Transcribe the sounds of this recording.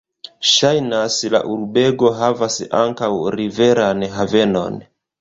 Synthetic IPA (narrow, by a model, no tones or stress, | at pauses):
ʃajnasla̰ʔuɾbe̞ɡo̞ɦavasa̰ŋkawɾive̞ɾanɦave̞no̞̰n